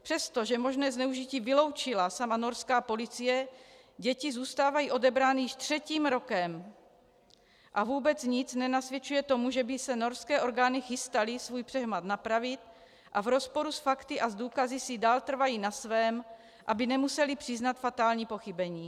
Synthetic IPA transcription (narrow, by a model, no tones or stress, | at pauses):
pr̥ɛst̪o̞ʒɛmo̞ʒnɛːznɛuʒiciːvɪlo̞wt͡ʃɪlasamanoɾskaːpo̞lit͡sijɛ | ɟɛcizuːst̪aːvajiːʔo̞dɛbɾaːnɪjɪʃt̪r̝̥ɛciːmɾo̞kɛm | ʔavuːbɛt͡sɲɪt͡snɛnasvjɛt͡ʃujɛt̪o̞muʒɛbɪsɛno̞ɾskɛːʔo̞ɾɡaːnixɪst̪alisvuːjpr̥ɛɦmat̪napɾavɪt̪ | ʔavɾo̞spo̞ɾusfakt̪ɪʔazd̪uːkazɪsɪdaːlt̪r̩vajiːnasvɛːm | ʔabɪnɛmusɛlipr̥ɪznat̪fat̪aːlɲiːpo̞xibɛɲiː